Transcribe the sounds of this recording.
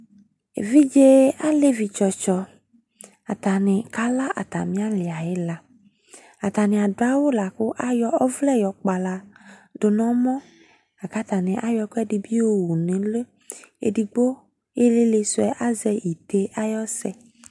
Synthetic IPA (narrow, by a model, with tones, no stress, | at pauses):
e˨vi˦d͡ʒe˦a˦le˦vi˨t͡ʃɔ˨t͡ʃɔ˨ | a˨t̪a˨nɪ̃˨ka˦la˦ʔa̰˨t̪a̰˨mĩ˦a˦le˨a˨je˦la˦ | a˨t̪a˨nɪ̃˨a˨ɖo˦a˦wo˦la˨kʊ˦ʔa˦jɔ˦ɔ˦vlɛ˦jɔ˨k͡pa˨la˨ɖo˨nɔ̃˦mɔ̃˦ | a˨ka˦t̪a˨nɪ̃˨ʔa˦jɔ˨kɛ˦ɖi˨bi˦wo˦wu˨nẽ˨le˦ | ḛ˨ɖi˨ɡ͡bo˦ | e˦le˦le˨sʊ˦ɛ˦ʔa˦zɛ˦ji˨t̪e˦ʔa˦jɔ˦sɛ˦